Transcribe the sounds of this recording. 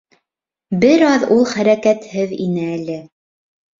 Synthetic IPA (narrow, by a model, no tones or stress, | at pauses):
bɘɾɑðulˠχæɾækæt̪hɘðḭnɘælɘ